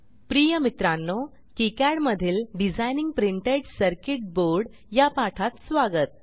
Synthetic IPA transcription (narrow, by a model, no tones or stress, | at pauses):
pɾijəmit̪ɾanːɔ | kikæɽməd̪ʱiːlɖid͡zajniŋɡ̚pɾiɳʈeɖsəɾkiʈ̚boɾɖ | japaʈʰat̪sʋaɡət̪̚